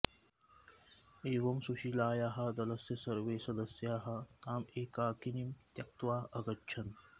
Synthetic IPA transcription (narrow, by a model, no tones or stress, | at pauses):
eːʋɐmsuʃilaːjaːɦɐ̆d̪ɐlɐsjɐsɐɾʋeːsɐd̪ɐsjaːɦɐ̆t̪aːmeːkaːkinimt̪jɐk̚t̪waːʔɐɡɐtːt͡ʃʰɐn